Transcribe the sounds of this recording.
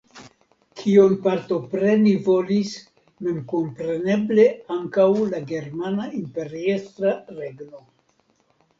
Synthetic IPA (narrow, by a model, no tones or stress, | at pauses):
kʰionpaɾt̪o̞pɾe̞nivo̞lis | me̞mko̞mpɾe̞ne̞ble̞aŋkawlaɡe̞ɾmanaimpe̞ɾiest̪ɾaɾe̞ɡno̞